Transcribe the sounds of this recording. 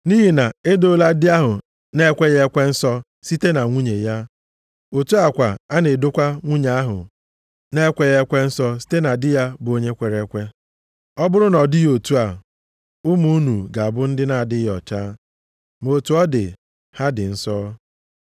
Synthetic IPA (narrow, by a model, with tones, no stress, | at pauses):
ni˦ɦi˨na˨e˦do˦la˦dɪ˦a˦ɦʊ˨ | ne˦kʷe˦ɣe˦kʷe˦n̩˦sɔ˦ | si˦te˦na˨ŋʷu˦ɲe˨ja˦ | o˨tu˦a˨kʷa˨a˦ne˨do˦kʷa˦ŋʷu˦ɲa˨a˦ɦʊ̰˨ | ne˦kʷe˦ɣe˦kʷe˦n̩˦sɔ˦si̥˦te˦na˨dɪ˦ja˦bo˦ɲe˦kʷe˨ɾe˦kʷe˦ | ɔ˦bʊ˦ɾʊ˦nɔ˨dɪ˦jo˨tu˦a˨ | ʊ˦mu˦u˦nu˨ɡa˨a˨bʊ˦n̩˦dɪ˦na˨a˨dɪ˦jɔ̰˨t͡ʃaː˦ | mo˨tu˦ɔ˦dɪ̰˨ | ha˦dɪ˨n̩˦sɔ˦